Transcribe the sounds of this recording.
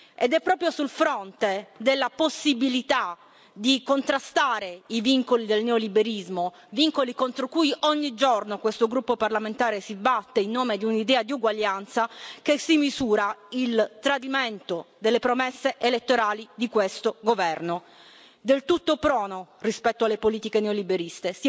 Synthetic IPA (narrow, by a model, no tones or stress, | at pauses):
ed̪ɛpːɾɔːpɾjosulfɾont̪ed̪elːaposːibilit̪a | d̪ikont̪ɾast̪aːɾeiviŋkolid̪elneolibeɾizmo | viŋkolikont̪ɾokujʔoɲːid͡ʒornokwest̪oɡɾupːoparlament̪aːɾesibat̪ːeinːoːmed̪iunid̪ɛːad̪iuɡwaʎːant̪sakesːimizuːɾailt̪ɾad̪iment̪od̪elːepɾomesːeʔelet̪ːoɾaːlid̪ikwest̪oɡovɛrno | d̪elt̪ut̪ːopɾɔːnorispɛt̪ːoalːepoliːt̪ikeneolibeɾist̪es